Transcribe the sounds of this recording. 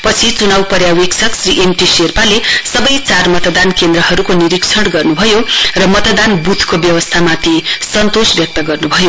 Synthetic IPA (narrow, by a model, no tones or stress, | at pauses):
pʌt͡sʰit͡sunawpʌɾjaweksʰʌksriʔemʈiserpalesʌbʌjt͡sarmʌt̪d̪ankend̪rʌɦʌɾukoniɾiksʰʌɽɡʌrnubʱʌjorʌmʌt̪d̪anbut̪ʰkobjʌwʌst̪ʰamat̪ʰisʌnt̪osbjʌk̚t̪ʌɡʌrnubʱʌjo